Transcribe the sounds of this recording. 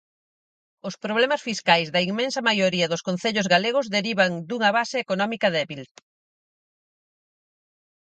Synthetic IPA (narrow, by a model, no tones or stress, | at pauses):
ʊspɾoβ̞lɛmɐsfiskajzðɐiŋmẽnsɐmajoɾiɐðʊskon̟θeʎʊzɣaleɣ̞ʊzðeɾiβɐŋd̪uŋɐβasɪːkonɔmikɐðɛβil